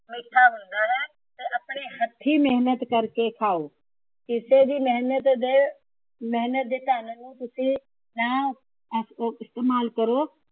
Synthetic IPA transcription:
mɪʈʰːaːɦʊ̃nd̪aːɦɛː | t̪eːʔəpɳiːhət̪ʰːiːmeɦnət̪kəɾkekʰaːoː | kɪsed̪iːmɛɦnət̪d̪eː | mɛɦnət̪̚d̪eːt̪aːnnũːt̪ʊsĩː | nãː | ɪst̪eːmaːlkəɾoː

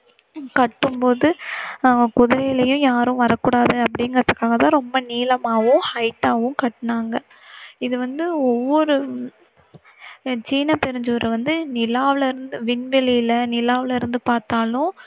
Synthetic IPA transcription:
kɐʈːɯmpoːðɯ | kʊðɐjɪlɐjʊ̃jaːɾʊ̃ʋɐɾɐkːuːɽaːðɯɐpːɐɽɪŋɡɐɾɐðɯkːaːɣɐt̪ãːɾɔmbɐniːlɐmaːʋʊ̃hɐɪʈːaːʋɯ̃kɐʈːnaːŋɡɐ | ɪðɯʋɐnd̪ɯɔʋːɔɾɯ | t͡ʃiːnːɐpɛɾɯɲd͡ʒuːɾɐʋɐnd̪ɯnɪlaːʋɪlɐɪɾɯnd̪ɯʋɪɳʋɛlɪjɪlɐnɪlaːʋɪlɐɪɾɯnd̪ɯpaːɾt̪aːlʊ̃

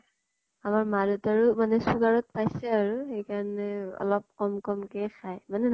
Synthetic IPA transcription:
amaɹmadɔtaɹumanɛsuɡaɹɔt̚pajsɛaɹuxejkaɹɔnɛɔ̰lɔp̚kɔmkɔmkɛxʰajmanɛn

